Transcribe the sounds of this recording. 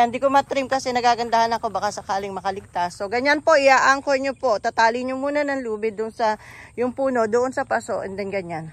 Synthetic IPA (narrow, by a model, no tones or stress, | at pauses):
nd̪ikomɐt̪ɾimkɐsɛnɐɡaːɡɐnd̪ahanɐko̞bakasɐkaːlɪŋmɐkɐlɪɡ̚t̪asːo̞ɡɐɲanpo̞ʔɪaʔaŋkoɲopo̞ʔt̪at̪aːlɪɲomuːnɐnɐŋluːbɪd̪ʊnsɐjʊŋpuːno̞d̪oʔonsɐpasoʔɛnd̪ɛnɡɐɲan